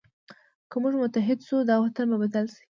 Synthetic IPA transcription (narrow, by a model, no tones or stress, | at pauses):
kəmuʐmʊt̪aɦɪd̪ʃud̪ɑwat̪anmabad̪alʃi̥